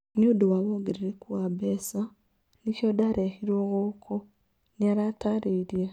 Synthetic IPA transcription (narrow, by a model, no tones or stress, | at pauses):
ɲuːdowaβoɡiɾiɾekwabesa | nicodaɾehiɾoːɣokʰo | niaɾataɾiɾje